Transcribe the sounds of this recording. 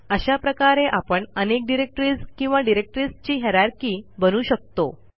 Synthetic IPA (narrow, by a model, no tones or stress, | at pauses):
əɕapɾəkaɾeʔapəɳənek̚ɖiɾek̚ʈɾid͡zkĩw̃ʋaɖiɾek̚ʈɾist͡ɕiːɦɛɾjaɾkiːbənuːɕək̚t̪o